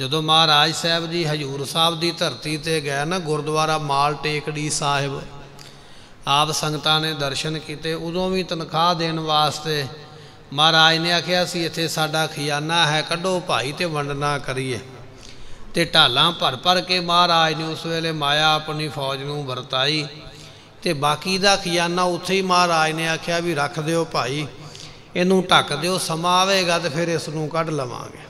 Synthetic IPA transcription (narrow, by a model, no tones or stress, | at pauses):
d͡ʒəd̪õːmaːɾaːd͡ʒsɛːbd̪iːɦəd͡ʒuːɾsaːbd̪iːt̪əɾt̪iːt̪eːɡɛːnaɡʊɾd̪ʊʋaːɾaːmaːlʈeːkɽiːsaːɦɪb | aːpsəŋɡt̪ãːneːd̪əɾʃənkiːt̪eːʊd̪õːʋĩːt̪ənkʰaːd̪eːnʋaːst̪eː | maːɾaːineːaːkʰjaːsiːɪt̪ʰːeːsaːɖaːkʰɪjaːnaːɦɛːkəɖõːpaːiːt̪eːʋəɳɖnãːkəɾiːeː | t̪eːʈaːlãːpəɾpəɾkeːmaːɾaːinẽːʊsʋeːleːmaːjaːəpniːpʰɔːd͡ʒnũːbəɾt̪aːiː | t̪eːbaːkiːd̪aːkʰɪjaːnaːʊt̪ʰːeːiːmaːɾaːineːaːkʰɪjaːʋiːɾəkʰd̪eːoːpaːiː | eːnũːʈəkd̪eːoːsəmãːʋeːɡaːt̪eːpʰɪɾɪsnũːkəɖləʋã̰ːɡḛː